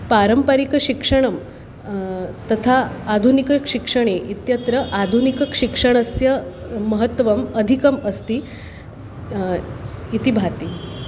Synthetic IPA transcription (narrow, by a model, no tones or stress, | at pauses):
paɾəmpaɾikəɕikʂəɳ̃əm | t̪ət̪ʰaːd̪ʱunikəkɕikʂəɳ̃eʔit̪jət̪ɾəʔad̪ʱunikəkɕikʂəɳ̃əsjəməɦət̪ːʋəməd̪ʱikəməst̪iː | it̪ibʱat̪i